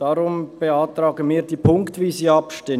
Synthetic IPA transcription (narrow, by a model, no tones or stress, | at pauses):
d̥ɑɾʊmb̥eɑtɾɑːɡəmiːɐdiːpʰʊŋktviːziːɑpʃtɪ